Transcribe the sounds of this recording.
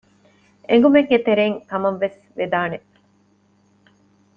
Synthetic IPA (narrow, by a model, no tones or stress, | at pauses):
ʔeŋɡumeɡːet̪eɾeːŋkɐmɐʋːes | ʋed̪aːne